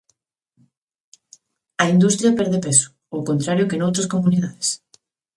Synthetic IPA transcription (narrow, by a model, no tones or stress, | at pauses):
ɐind̪ust̪ɾjɐpɛɾðepesʊ̥ | owkont̪ɾaɾjʊkenowt̪ɾɐskomuniðaðes